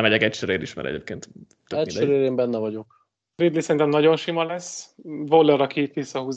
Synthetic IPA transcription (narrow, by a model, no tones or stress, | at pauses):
mɛɟɛkɛcʃøɾeːɾḭʃmɛ̰ɾɛ̰ɟeːp̚kḛːnt̪ | t̪øɛiʃd̪øɾeːɾeːmbɛnːɛvɒɟo̞k | rid̪lisɛɾint̪ɛmnɒɟo̞nʃimɒlɛsvolːɛɾɒkiːt̪ʋisːɒɦuz